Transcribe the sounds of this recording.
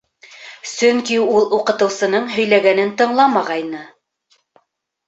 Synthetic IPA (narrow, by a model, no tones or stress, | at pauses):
sɵŋkiulˠuqɤ̆t̪ɤ̆wsɤ̆nɤɴɦɵ̆jlæɡænɘnt̪ɤ̆ɴlˠɑmɑʁɑjnɤ